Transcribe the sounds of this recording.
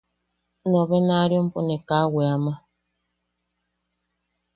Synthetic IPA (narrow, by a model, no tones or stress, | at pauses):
nɔbɛnaɾjɔm̩ponɛkaweama